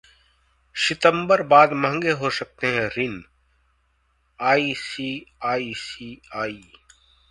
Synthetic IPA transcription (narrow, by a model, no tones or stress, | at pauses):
ʃɪt̪ə̃mbəɾbaːd̪mɐɦŋɡeɦoːsɐk̚t̪eɦɛ̃ɾɪn | aːisiːaːisiːaːiː